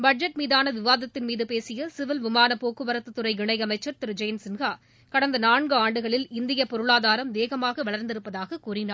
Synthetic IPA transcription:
bɐɖ̚d͡ʒɐʈmiːðaːnɐʋɪʋaːðɐt̪ːɪnmiːðɯpeːsɪjɐsɪʋɪlʋɪmaːnɐpoːkːɯʋɐɾɐt̪ːɯt̪ːɯɾɐɪɡɪɳɐɪɐmɐɪt͡ʃːɐɾt̪ɪɾɯd͡ʒɐjnsɪnɣaː | kɐɽɐnd̪ɐnaːɳɡɯaːɳɖɯɣɐɭɪlɪnd̪ɪjɐpɔɾɯɭaːðaːɾɐmʋeːɣɐmaːɣɐʋɐɭɐɾnd̪ɪɾɯpːɐðaːɣɐkuːrɪnaːɾ

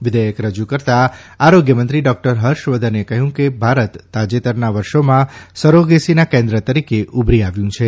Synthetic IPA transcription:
ʋɪd̪əjəkɾəd͡ʒukəɾt̪aaɾoɡjəmənt̪ɾiɖɔk̚ʈəɾɦəɾʃʋəd̪ʱənekəɦjũkebʱaɾət̪ːad͡ʒet̪əɾnaʋəɾʃomãsəɾoɡesinakẽnd̪ɾət̪əɾikeʔubɾiaʋjũt͡ʃʰe

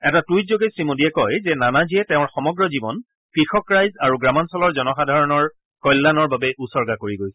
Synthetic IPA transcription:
ɛtatujtzoɡɛsɹimodiɛkɔjzɛnanaziɛtɛʊ̃ɹxɔmɔɡɹɔzibɔn | kɹixɔkɹajzaɹuɡɹamɔnsɔlɔɹzɔnɔxadʱaɹɔnɔɹ | kɔjlːanɔɹbabɛʔusɔɹɡakoɹiɡojsɛ̥

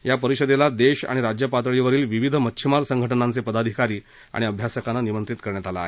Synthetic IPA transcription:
japəɾiɕəd̪elad̪eɕa̰ɽ̃iɾad͡ʑjəpat̪əɭiʋəɾiːlʋiʋid̪ʱəmətːɕʰimaɾsəŋɡʱəʈənant͡sepəd̪ad̪ʱikaɾiː | a̰ɽiəbʱjasəkanːanimənt̪ɾit̪kəɾɳjat̪ala̰ːɦe

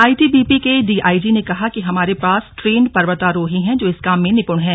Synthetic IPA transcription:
aːiʈiːbiːpikeɖiːʔaːid͡ʒinekɐɦakiɦɐmaːɾepaːsʈɾeːɳɖpɐɾʋət̪aɾoːɦĩɦɛ̃d͡ʒoːɪskaːmːẽnɪpʊɳɦɛ̃ː

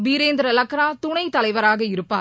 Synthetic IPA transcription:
biːɾeːnd̪ɾɐlɐkːɾaːt̪ʊɳɐɪt̪ːɐlɐɪʋɐɾaːɣɐɪɾɯpːa̰ː

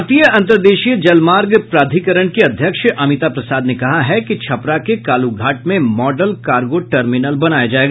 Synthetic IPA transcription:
t̪ijəɐ̃nt̪əɾd̪eːʃijd͡ʒɐlmaːɾɡpɾaːd̪ʱikəɾəɳ̃keɐd̪ʱjəkʃʔɐmɪt̪apɾɐsaːd̪nekɐɦaɦɛkit͡ʃʰɐpɾakekaːluɡʱaːʈmẽmɔːɖəlkaːɾɡoʈɐɾmɪnəlbɐnaːjad͡ʒaːeːɡa

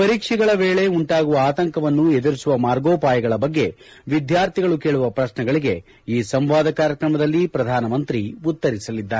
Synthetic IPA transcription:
pɐɾiːkʂiɡɐɭɐʋe̞ːɭe̞uɳʈaːɡuʋɐaːt̪ɐŋkɐʋɐnːued̪ɐɾisuʋɐmaːɾɡoːpaːjɐɡɐɭɐbɐɡːe̞ʋid̪jaːɾt̪ʰiɡɐɭuke̞ːɭuʋɐpɾɐʃnɛɡɐɭiɡe̞ | iːsɐmʋaːd̪ʱɐkaːɾjɐkɾɐmɐd̪ɐlːipɾɐd̪ʱaːnɐmɐnt̪ɾiut̪ːɐɾisɐlid̪ːaːɾe

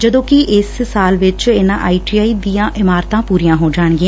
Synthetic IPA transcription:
d͡ʒəd̪õːkɪʔɪssaːlʋɪt͡ʃɪnã̰ːʔaːiːʈiaːiːd̪iːjãːʔɪmaːɾt̪ãːpuːɾijãːɦoːd͡ʒaːɳɡiã

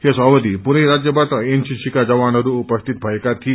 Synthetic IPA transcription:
hesɔʋəd̪ipuniɾad͡ʑjəbʱat̪əensisikad͡zɐʋanəɾuupəst̪ʰit̪̚bʱajkat̪ʰiː

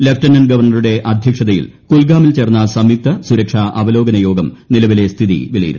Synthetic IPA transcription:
le̞ftɐnɐnɡɐʋɐrɳɐruɽe̞ʔɐd̪ʱjɐkʂɐðɐjḭlkulɡaːmilt͡ɕerɐnːɐsɐmik̚t̪ʰɐsuɾɐkʂaːʔɐʋɐlo̞ːɡɐnɐjo̞ːɡɐmnilɐʋile̞st̪ʰiðḭʋilɐjḭɾunu

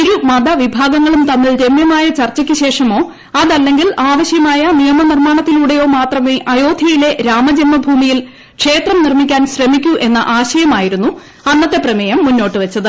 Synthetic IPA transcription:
iɾumɐd̪ɐʋibʱaːɡɐŋːɐɭumt̪ɐmːiɭɾe̞mjɐmaːjɐt͡ɕɐrt͡ɕːɐkʲːɨɕe̞ːʂɐmo̞ː | ɐðɐlːe̞ŋɡilaːʋɐɕjɐmaːjɐnijɐmɐnirmaːɳɐt̪ːiluːɽejo̞ːmaːt̪rɐmeːʔɐjo̞ːd̪ʱjɐjile̞ɾaːmɐd͡ʑɐnmɐbʱuːmijil | kʂe̞ːt̪rɐmnirmikʲːaːnɕremikʲːuʔe̞nːɐ̰ʔaːɕɐjɐmaːjiɾunːu | ɐnːɐt̪ːe̞prɐmɐjɐmːunːo̞ːʈːɨʋɐt͡ɕːɐðɨ

